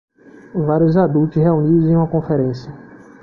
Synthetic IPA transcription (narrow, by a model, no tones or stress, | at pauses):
vaɾjʊzad̪ult͡ʃɪsheunid̪ʊzẽj̃ũmɐkõfɛɾẽsjɐ